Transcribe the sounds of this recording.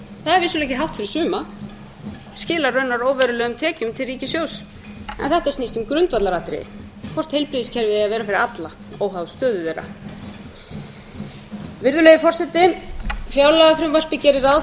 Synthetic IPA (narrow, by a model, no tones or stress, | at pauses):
θaðɛɾvɪsʏlɛhcɪɦaft̪fɪɾɪ̥ɾ̥sʏːma | scɪːlarœɥnːaɾoːwvɛɾʏlɛːɣʏmt̪ʰɛːcʏmt̪ʰɪlriːcɪsjows | ɛ̰nθɛht̪aɛɾsniːst̪ʏmkɾʏnt̪vat̪laɾat̪ɾḛɪ̰ | kʰvɔr̥t̪hejlpɾiðiscʰɛɾvɪðɪaðvɛːɾafɪɾɪɾat̪la | owɦawst̪œːðʏðeːjɾa̰ | vɪɾðʏlejɪfɔr̥sɛt̪ːɪfjaːwlaɣafɾɪmvar̥pɪcɛːɾɪɾaw